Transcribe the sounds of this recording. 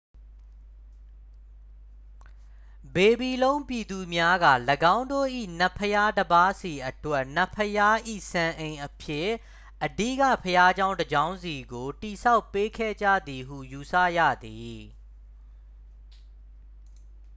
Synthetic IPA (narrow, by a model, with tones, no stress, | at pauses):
be˨bi˨lõ˦ʊ̃mpji˨d̪u˨mja˦ɡa̰˦˨ləɡã˦ʊ̃ndo̰˦˨ʔḭ˦˨n̥ə˦˨pʰəja˦dəba˦si˨ʔətwɛ˦ʔn̥ə˨pʰːəja˦ʔḭ˦˨sã˨ʔẽ˨ɪ̃ʔəpʰjɪ˦˨ | ʔədḭ˦˨kä̰˦˨pʰəja˦d͡ʑã˦ʊ̃ndəd͡ʑã˦ʊ̃nzi˨ɡo˨ti˨sʰa˦ʊpːe˦kʰɛ̰˦˨d͡ʑä̰˦˨d̪i˨ɦṵ˦˨ju˨sa̰˦˨jä̰˦˨d̪i˨